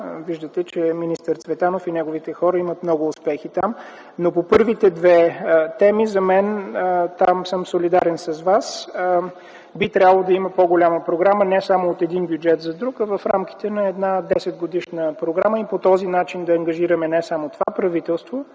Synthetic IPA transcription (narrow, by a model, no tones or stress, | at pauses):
viʒd̪ət̪ɛt͡ʃɛminist̪əɾt̪svɛt̪anofinɛɡovit̪ɛxɔɾəimət̪mnɔɡʊːspɛxit̪am | nopopɤɾvit̪ɛd̪vɛt̪ɛmizɐmɛnt̪amsəmsolid̪aɾɛnsɐzvas | bit̪ɾʲabəlˠod̪ɐimɐpoɡolʲaməpɾoɡɾamənɛsamoot̪ɛd̪inbjud͡ʒɛt̪zɐd̪ɾukɐvɐfɾa̰mki̥t̪ɛnɐɛd̪nad̪ɛsɛt̪̚ɡod̪iʃnəpɾoɡɾaməipot̪ɔzinat͡ʃind̪ɐːŋɡɐʒiɾəmɛnɛsamot̪ovapɾɐvit̪ɛlˠst̪vo